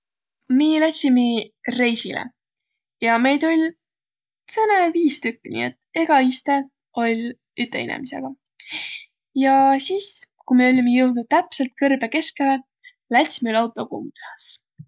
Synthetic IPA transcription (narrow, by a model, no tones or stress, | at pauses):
miːlæt̪ʲsʲimire̞jsilḛ | jɑme̞jt̪olʲ | sɤneviːst̪ykːinḭet̪ːe̞ɡ̥ɑist̪e | o̞lʲ | yt̪ːˑe̞̰ḭnḛmise̞̰ɡ̥ɑ | jɑsiːs | kumeo̞lʲimejuwd̪ut̪æpse̞lt̪̚kɤrb̥eke̞skele | læt̪ʲsimylɑwt̪ːˑo̞kṵmt̪hɑs